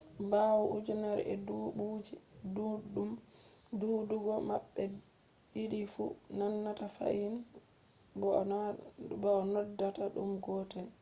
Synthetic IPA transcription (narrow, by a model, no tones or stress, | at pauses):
bawuʔud͡ʒunaɾ̰ʔɛ̰duɓud͡ʒiduɗumduduɡɔmaɓːɛ | iɗifunanːatafa̰ʔin | b | bɔnɔdːataɗṵmɡɔtɛn